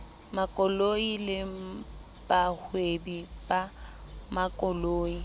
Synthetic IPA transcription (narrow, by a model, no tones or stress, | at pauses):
makʼɔloilɪ | bahwebibamakʼɔloːi